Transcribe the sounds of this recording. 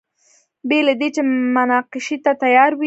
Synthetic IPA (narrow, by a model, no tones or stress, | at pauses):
belad̪et͡ʃemʊnɑqɪʃit̪at̪ajɑɾwi